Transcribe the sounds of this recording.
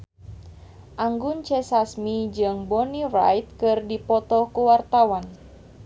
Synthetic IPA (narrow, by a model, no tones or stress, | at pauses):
ʔaŋɡunt͡ʃɛsasmid͡ʒɨŋbɔnira̰jt̪̚kɨrdipɔt̪ɔkuwart̪awan